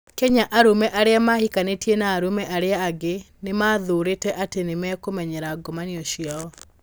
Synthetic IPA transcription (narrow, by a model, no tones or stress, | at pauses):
kɛɲaʔaɾomɛʔaɾɪamahikanetjenaːɾomɛʔaɾɪaːɡe | nɪmaðoɾetɛʔatenɪmɛkomɛɲɛɾaɡɔmanɪɔʃjaɔ